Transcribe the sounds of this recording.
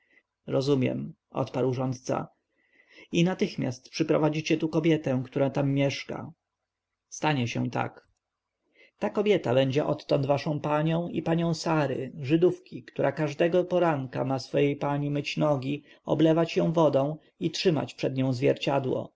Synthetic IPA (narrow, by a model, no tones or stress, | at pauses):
ɾɔzumʲjɛ̰m | ʔɔ̰t̪paɾwʐɔnt̪t̪sa̰ | inat̪ɘxmʲja̰st̪pʂɘpɾɔvad͡ʑit͡ɕɛt̪ukɔbʲjɛt̪ɛ̃kt̪uɾat̪amːjɛʂka̰ | st̪aɲɛɕɛ̰t̪a̰k | t̪akɔbʲjɛt̪abɛɲd͡ʑɛʔɔt̪ːɔnd̪vaʂɔ̃w̃paɲɔ̃w̃ḭpaɲɔ̃w̃saɾɘ̰ʐɘd̪ufkʲikt̪uɾʔakaʐd̪ɛɡɔpɔɾaŋka̰masfɔjejpaɲimɘt͡ɕnɔɡʲi | ɔ̰blɛvat͡ɕjɔ̃w̃vɔd̪ɔ̃w̃ | itʂɘma̰t͡ɕpʂɛd̪ɲɔ̃w̃zvʲjɛ̰ɾt͡ɕad̪wɔ̰